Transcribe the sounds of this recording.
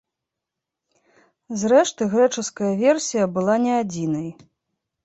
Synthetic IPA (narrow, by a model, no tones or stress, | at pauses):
zɾɛʂt̪ɨɣɾɛt͡ʂɨskɐjɐvʲɛrsʲijɐbɨlˠanʲɛad͡zʲinɐj